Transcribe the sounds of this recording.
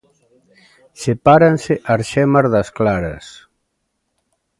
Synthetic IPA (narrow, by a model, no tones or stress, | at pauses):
sepaɾanseʔaɾʃɛmaɾðasklaɾɐ̰s